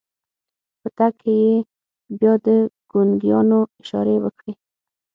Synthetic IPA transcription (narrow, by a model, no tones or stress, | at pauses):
pət̪akʰeje | bjɑd̪əɡ̥ʊnɡijɑnoɪʃɑ̰ɾewəkɽi